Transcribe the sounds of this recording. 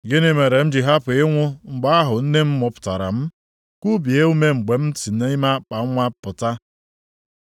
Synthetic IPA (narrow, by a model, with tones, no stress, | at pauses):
ɡɪ˦ne˦me˨ɾe˨m̩˦d͡ʒi˨ɦa˦pʊ˨ɪ˦ŋʷʊ˦ŋ͡m̩˨ɡ͡ba˦a˦ɦʊ˨n̩˦ne˦m̩˦mʊ˨pʊ̥˨ta̰˨ɾa̰˨m̩˦ | ku˦bi˨e˦u˦me˦ŋ͡m̩˨ɡ͡be˨m̩˦ti˨ne˦i˦ma˦k͡pa˨˦ŋʷa˦pʊ˨ta˦